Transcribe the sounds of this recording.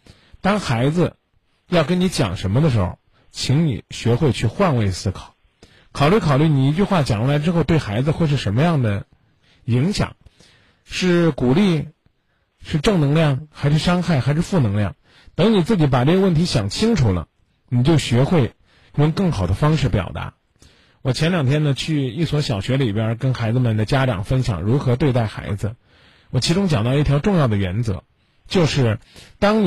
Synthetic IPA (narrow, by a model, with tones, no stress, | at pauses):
t̪ɑ˥ŋxa˧˥ɪd͡zɹ̩˧ | jɑ˥˩ʊkə˥ni˧˥t͡ɕjɑ̰˨˩ŋʂə˧˥nmə˧d̪ə˧ʂɻ̩˧˥xo̰˥˧ʊ | t͡ɕʰi˧˥ŋnḭ˨˩ɕɥɛ˧˥xwe˥˧ɪt͡ɕʰy˥˧xwa˥˧nwe˥˧ɪsɹ̩˥kʰɑ̥˨˩˦ʊ | kʰɑ˨˩ʊly˥˩kʰɑ˨˩ʊly˥˩ni˨˩i˧˥t͡ɕy˥˧xwa˥˩t͡ɕjɑ˨˩ŋlla˧˥ɪʈ͡ʂɻ̩˥xo˥˧ʊt̪we˥˩ɪxa˧˥ɪd͡zɹ̩˧xwe˥˧ɪʂ̬ɻ̩˥˩ʂə˧˥nmə˧jɑ˥˩ŋd̪ə˩ | i˧˥ŋɕjɑ̰˨˩˦ŋ | ʂɻ̩˥˩ku˨˩li˥˧ | ʂɻ̩˥˧ʈ͡ʂɤ˥˩ŋnɤ˧˥ŋljɑ˥˩ŋxa˧˥ɪʂɻ̩˥˩ʂɑ˥ŋxa˥˩ɪxa˧˥ɪʂɻ̩˥˧fu˥˩nɤ˧˥ŋljɑ̰˥˩ŋ | t̪ɤ˧˥ŋni˨˩t͡sɹ̩˥˩t͡ɕi˧˥pa˨˩ʈ͡ʂɤ˥˩ɡə˧˦wə˥˩nt̪ʰi˧˥ɕjɑ˨˩ŋt͡ɕʰi˥ŋʈ͡ʂʰu˨˩lə̰˦ | ni˨˩t͡ɕjo˥˩ʊɕɥɛ˧˥xwe˥˩ɪ | jʊ˥˧ŋkɤ˥˩ŋxɑ˨˩ʊd̪ə˦fɑ˥ŋʂɻ̩˥˩pjɑ̰˨˩ʊt̪a̰˧˥ | wɔ˨˩t͡ɕʰjɛ˧˥nljɑ˨˩ŋt̪ʰjɛ˥nd̪ə˧t͡ɕʰy˥˧i˥˩swɔ˧˥ɕjɑ˨˩ʊɕɥɛ˧˥li˨˩pjə˞˥kə˥nxa˧˥ɪd͡zɹ̩˧mə˨˩nd̪ə˩t͡ɕja˥ʈ͡ʂɑ̰˨˩ŋfə˥nɕjɑ̰˨˩ŋɻu˧˥xɤ˧˥t̪we˥˧ɪt̪a˥˩ɪxa̰˧˥ɪd͡zɹ̩˧ | wɔ˨˩t͡ɕʰi˧˥ʈ͡ʂʊ˥ŋt͡ɕjɑ˨˩ŋt̪ɑ˥˧ʊi˥˩t̪ʰjʊʈ͡ʂʊ˥˧ŋjɑ˥˩d̪ə˩ɥɛ̰˧˥nt͡sɤ̰˧˥ | t͡ɕjo˥˧ʊʂɻ̩˥˩t̪ɑ˥ŋ